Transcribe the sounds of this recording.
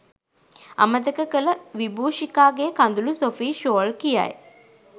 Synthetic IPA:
ɐ̰məd̪əkəkələʋibuːʃikaːɡekɐnd̪ulusofiːʃoːlkija̰j

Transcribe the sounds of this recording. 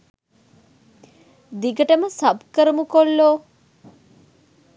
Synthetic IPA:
d̪iɡəʈəməsɐbkəɾəmukolːoː

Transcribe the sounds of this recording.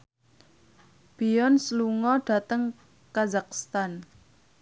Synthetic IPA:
b̥iɔnsluŋɔɖ̥ä̤t̪əŋ | kazakst̪an

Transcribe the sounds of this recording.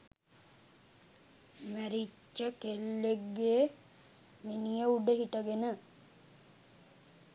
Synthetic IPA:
mæɾit͡ʃːəkelːeɡːeː | menijəuɖəɦiʈəɡenə

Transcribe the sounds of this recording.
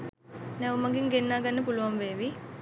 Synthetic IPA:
nɛumɐɡiŋɡenːaːɡɐnːɐpuluʋɐmʋeːʋi

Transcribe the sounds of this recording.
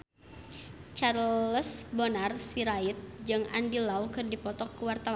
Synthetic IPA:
t͡ʃarləsbɔnarsiɾait̪̚d͡ʒɨŋa̰ndilawkɨrdipɔt̪ɔkːəwart̪awa

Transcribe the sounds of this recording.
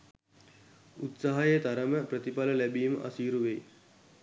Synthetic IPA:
ut̪saɦajet̪aɾəməprət̪ipaləlæbiːmə̰ʔa̰siːɾuʋej

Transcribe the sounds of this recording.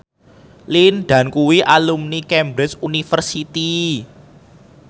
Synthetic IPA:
linɖ̪̥ä̤nkuwiʔalumnikɛmbɾɪsunifərsit̪i

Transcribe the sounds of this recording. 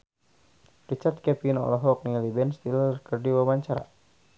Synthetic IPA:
rit͡ʃard̪̚kɛpnɔ̰lɔɦɔk̚nilibɛnst̪ilərkərdiwabaɲt͡ʃaɾa̰

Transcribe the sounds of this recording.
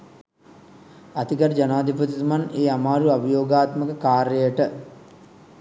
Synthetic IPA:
at̪ikəɾd͡ʒanaːd̪ʱipət̪it̪umaneːamaːɾuabəjoːɡaːt̪məkəkaːɾjəjəʈə

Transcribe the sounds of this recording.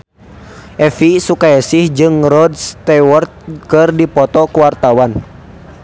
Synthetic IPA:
ʔɛfisukaɛsihd͡ʒɨŋɾɔdst̪ɛwɔrt̪̚kɨrdipɔt̪ɔkuwart̪awan

